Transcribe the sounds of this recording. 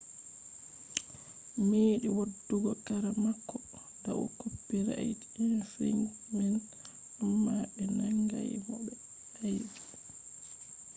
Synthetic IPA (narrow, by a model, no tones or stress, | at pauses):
miːɗiwodːuɡɔkaɾamakːɔ | da̰wɔ̰kopːiɾaʔjd͡ʒnfḭŋmin | ɗumːaɓɛnaŋɡa̰jmɔɓɛ | ajdi